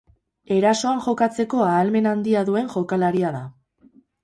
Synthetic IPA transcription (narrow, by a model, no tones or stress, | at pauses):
e̞ɾaso̞anʝo̞kat͡se̞ko̞aːlme̞nand̪iaðue̞ŋʝo̞kalaɾiaða